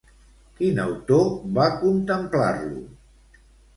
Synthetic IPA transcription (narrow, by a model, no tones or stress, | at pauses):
kinə̰wt̪oβakunt̪əmpla̰rlṵ